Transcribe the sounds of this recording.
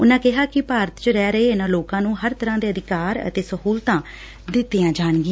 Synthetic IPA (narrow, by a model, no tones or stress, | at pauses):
ʊnãːkɪɦaːkɪpaːɾət̪t͡ʃəɾɛːɾəeːɪnãːloːkãːnũːɦəɾt̪əɾãːd̪eːəd̪ɪkaːɾə̰t̪eːsəhuːlt̪ãː | d̪ɪt̪ːijãːd͡ʒaːɳɡɪ